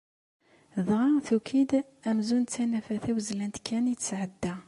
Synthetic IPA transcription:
ðʁɑθukʰid̪ | æmzunt̪ːænæfæθæwzlænt̪kʰːænijt͡sːsʕəd̪ːæ

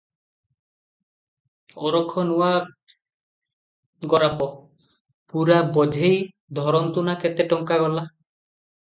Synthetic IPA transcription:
ɔɾɔkʰːɔnuwa | ɡɔɾapɔ | puɾabɔd͡ʒʱej | d̪ʱɔɾɔnt̪unaket̪eʈɔŋkaɡɔla

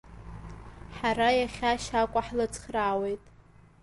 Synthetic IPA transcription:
ħarajaχʲaʃakʷʼaħlɨt͡sʰʼχʲraːwejtʼ

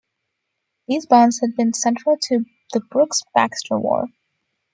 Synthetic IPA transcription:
ðizbɑ̃nz̥hɨd̚bɨ̃nsɛ̃nt͡ʃɹ̥l̩ˠtʰɨ | ðəbɹʊksb̥æ̰kstə̰˞wɔ̰ɹ

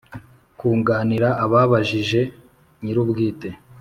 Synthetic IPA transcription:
kuːŋɡaːniɾaʔːβaβaʒiʒe̞ | ɲiɾubɡiːte

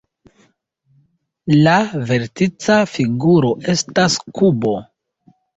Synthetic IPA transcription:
lave̞ɾtit͡safiɡuɾo̞ʔe̞staskubo̞

